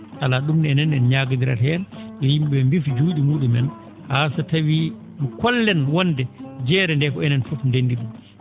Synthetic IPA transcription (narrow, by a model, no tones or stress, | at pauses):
ʔalaɗumnɛnɛnːɛnɲaːɡadiɾa̰lɛnɔjimɓɛmbifd͡ʒuːɗimuːɗumɛn | hasatawi | nkɔlːɛnwɔndɛd͡ʒɛːɾɛndɛkɔɛnɛnfɔfndenːdiɗum